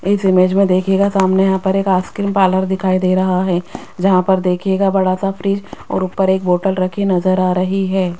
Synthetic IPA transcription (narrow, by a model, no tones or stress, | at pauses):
ɪsɪmeːd͡ʒmẽd̪eːkʰeːɡasaːmnejɐɦãpɐɾeːkaːskɪɾmpaːləɾd̪ɪkʰaːid̪eːɾɐɦaɦɛː | d͡ʒɐɦãpɐɾd̪eːkʰeːɡabɐɽaːsafɾiːd͡ʒɔ̰ːɾʊpːəɾeːk̚boːʈəlɾɐkʰenɐzəɾaːɾɐɦiɦɛː